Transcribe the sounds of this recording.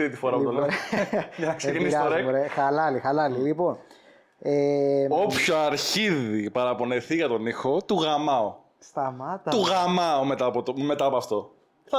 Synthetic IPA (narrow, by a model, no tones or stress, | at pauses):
t̪it̪ifo̞ɾɐput̪oleojɐnɐksecinisoɾeɾxɐlɐlixɐlɐlilipon | eopçoɐɾçiðipɐɾɐpo̞neθiʝɐt̪o̞nixo̞t̪uɣɐmɐo | st̪ɐmɐt̪t̪uɣɐmɐomet̪ɐpot̪omet̪ɐpoɐft̪o̞ | θɐ